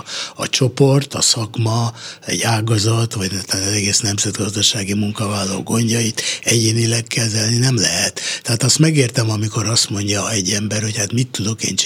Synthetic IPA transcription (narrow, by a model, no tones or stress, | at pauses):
ɒ̰t͡ʃo̞po̞rt̪ɒsɒkmɒɛ̰ɟaːɡɒzɒt̪ʋɒɟnt̪ːzɛɡeːsnɛmzɛd̪ɡɒzd̪ɒʃaːɡimuŋkɒvaːlːo̰ːɡo̞ɲɟɒjit̪ɛɟeːnilɛkːɛzɛlninɛmlɛɦɛt̪ːɛaːt̪ɒst̪mɛɡeːrt̪ɛmɒmiko̞ɾɒst̪mo̞ɲɟɒɛɟːɛmbɛrho̞chat̪mit̪ːud̪o̞kḛːnt͡ʃ